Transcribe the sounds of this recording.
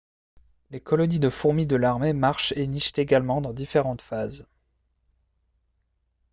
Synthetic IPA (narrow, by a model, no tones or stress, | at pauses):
lekɔlɔnid̪əfuʁmid̪əlaʁmemaʁʃeniʃt̪eɡalmɑ̃d̪ɑ̃d̪ifeʁɑ̃t̪faz